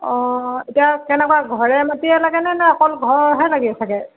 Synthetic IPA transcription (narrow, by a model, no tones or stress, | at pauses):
ɔ̃etiakɛnɛkwaɡʱɔɹɛmatiɛlaɡɛnɛnɛɔkɔlɡʱɔɹɦɛlaɡibɛsʰakɛ